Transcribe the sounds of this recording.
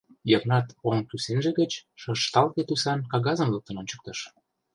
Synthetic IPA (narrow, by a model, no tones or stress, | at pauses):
jəknɑt̪oŋkysenʒĕɣət͡ɕʃɤʃt̪ɑlt̪et̪usɑnkɑɣɑzə̆mlɤk̚t̪ənont͡ɕə̥k̚t̪ə̆ʃ